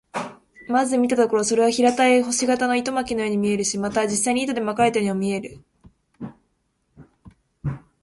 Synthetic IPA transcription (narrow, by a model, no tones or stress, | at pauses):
mazɨmʲit̪at̪o̞ko̞ɾo̞so̞ɾe̞βaçiɾat̪aeɦo̞ɕiɡat̪ano̞it̪o̞makʲino̞joːɲ̟imʲie̞ɾɯɕimat̪ad͡ʑisːaiɲ̟it̪o̞d̪e̞makaɾet̪ajoɲ̟imomʲie̞ɾɯ̟